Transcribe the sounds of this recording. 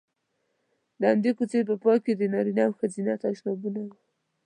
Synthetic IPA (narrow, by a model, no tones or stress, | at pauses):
d̪əand̪ekut͡seɾp̬əpɑked̪ənɑɾinaawxazinat̪aʃnɑbunawu